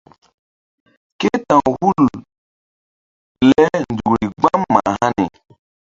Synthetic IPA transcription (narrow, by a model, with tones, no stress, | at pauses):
ke˦tã˨hu˦l | lɛ˦n̩˨d͡ʒu˨ɾi˨ɡ͡bã˦mːã˨ha˦nɛ̰˨